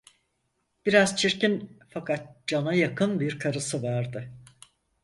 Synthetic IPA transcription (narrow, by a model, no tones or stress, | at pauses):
b̥iɾazt͡ʃʰiɾcinfakʰat̪̚d͡ʒanajakʰɯnbiɾkʰaɾɯsɯvaɾd̪ɯ